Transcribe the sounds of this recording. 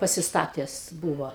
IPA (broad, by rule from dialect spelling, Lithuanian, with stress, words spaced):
pɐsʲɪsˈtɑːtʲɛs ˈbuːʋoː